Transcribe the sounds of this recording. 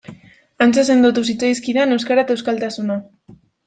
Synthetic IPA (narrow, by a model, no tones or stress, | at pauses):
ant͡ses̬e̞nd̪ot̪us̬it͡sajskiðane̞wskaɾat̪ewskalt̪asuna